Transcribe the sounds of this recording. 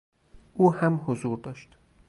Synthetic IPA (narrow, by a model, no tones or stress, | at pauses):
ʔuːhæmhozuːɾd̪ɒːʃt̪